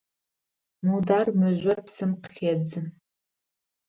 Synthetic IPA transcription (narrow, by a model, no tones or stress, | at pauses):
mudaːrmɨʒʷɐrpsɨmqə̥xʲeːd͡zɨm